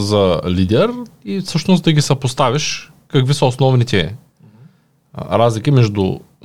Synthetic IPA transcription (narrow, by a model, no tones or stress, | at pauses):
zɐlid̪ɛɾifsɤʃnosd̪ɐɡʲisɐpost̪avʲiʃ | kɐkvisɐosnɔvnit̪ɛ | ɾazlʲik̟imɛʒd̪ṵ